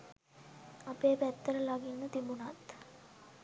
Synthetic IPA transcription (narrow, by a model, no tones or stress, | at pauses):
apeːpæt̪ːəɾəlaɡinːət̪imbunat̪